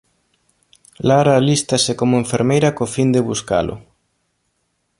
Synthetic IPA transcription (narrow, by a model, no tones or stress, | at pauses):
laɾalist̪asɪkomʊeɱfeɾmejɾakofind̪eβuska̰lʔʊ̰